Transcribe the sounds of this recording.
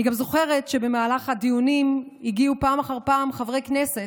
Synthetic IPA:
niɡamzo̞χe̞ʁe̞tʃe̞be̞maːlaχhad̪ijunim | iɡiupaːmaχaʁpaːmχavʁejknese̞

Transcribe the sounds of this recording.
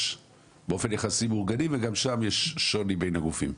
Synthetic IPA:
beofe̞njaχasimuʁɡaniveɡamʃamjeʃːonibe̞jnhaɡufim

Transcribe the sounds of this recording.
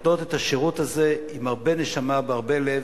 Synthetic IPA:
do̞t̪et̪aʃeʁutazeimaʁbe̞neʃamabeaʁbe̞lev

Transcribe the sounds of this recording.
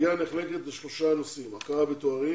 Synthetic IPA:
aneχle̞ket̪beʃlo̞ʃanusimakaʁabet̪oaʁi

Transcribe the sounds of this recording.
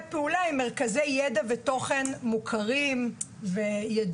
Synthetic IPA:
peulaime̞ʁkazejːedaveto̞χenmukʰaʁim | vejad

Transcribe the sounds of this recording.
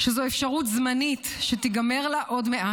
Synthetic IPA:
ʃezoefʃaʁut̪zmanit | ʃet̪iɡame̞ʁlaʔo̞dmeʔa

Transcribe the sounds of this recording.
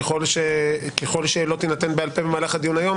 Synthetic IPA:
eχo̞lʃekexo̞lʃelo̞t̪inat̪enbealpe̞bemaːlaχad̪ijunajo̞m

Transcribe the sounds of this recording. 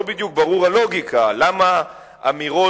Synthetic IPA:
bid̪juk̚baʁuʁalo̞ɡikalama | amiʁo

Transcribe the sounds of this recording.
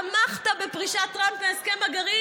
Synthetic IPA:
amaχt̪abepʁiʃat̪ːʁampveeskemaɡaʁi

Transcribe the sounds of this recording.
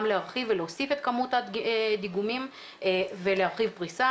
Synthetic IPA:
mlehaʁχiveleosifet̪kamutad̪iɡumim | velehaʁχivpʁisa

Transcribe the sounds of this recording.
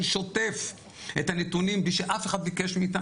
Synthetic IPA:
ʃo̞t̪e̞f | e̞t̪anet̪unimbliʃeʔafeχad̪̚bike̞ʃmiːt̪a

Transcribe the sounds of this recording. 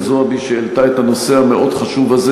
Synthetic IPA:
zoabiʃeelt̪aet̪hano̞seɦameʔo̞d̪χaʃuvaze

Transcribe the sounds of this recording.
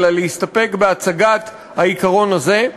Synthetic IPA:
laleist̪ape̞kbeat͡saɡat | haikaʁo̞naze̞

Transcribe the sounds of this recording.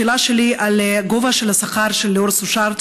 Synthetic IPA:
elaʃeliʔalɡovaʃelasaχaɾʃelːeoɾsuʃaɾt̪

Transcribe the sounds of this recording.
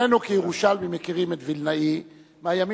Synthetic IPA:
enukijeʁuʃalmimekiʁimet̪vilnai | maaːjami

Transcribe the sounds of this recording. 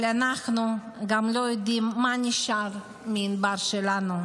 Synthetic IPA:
lanaχnu | ɡamlojod̪imːaniʃaʁ | minbaʁʃelanu

